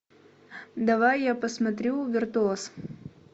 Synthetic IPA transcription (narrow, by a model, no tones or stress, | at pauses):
d̪ɐvajːapəsmɐt̪ɾʲuvʲɪrt̪ʊos